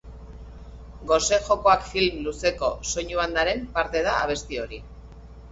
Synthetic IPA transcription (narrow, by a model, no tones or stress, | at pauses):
ɡo̞se̞ʝo̞ko̞akfilmluse̞ko̞so̞ɲuand̪aɾe̞mpaɾt̪e̞ð̞a̰ːβ̞e̞st̪io̞ɾi